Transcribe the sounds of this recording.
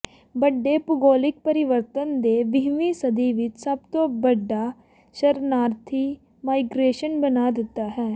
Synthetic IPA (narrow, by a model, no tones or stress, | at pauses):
bəɖːeːpʊɡoːlɪk̚pəɾɪʋəɾt̪ənd̪eːʋɪɦmiːsəd̪iːʋɪt͡ʃsəbt̪oːbəɖːaː | ʃəɾnaːɾt̪ʰiː | maːɪɡɾeːʃənbənaːd̪ɪt̪ːaːɦɛː